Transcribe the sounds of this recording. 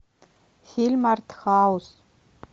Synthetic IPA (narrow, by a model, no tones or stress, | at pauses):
xʲilʲmart̪ʰxaːws